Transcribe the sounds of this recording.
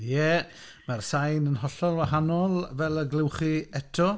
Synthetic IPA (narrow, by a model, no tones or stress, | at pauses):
jɛ | marsajnənɦɔɬɔlˠwahanɔlˠvɛlˠəɡlɪwχiɛtʰɔ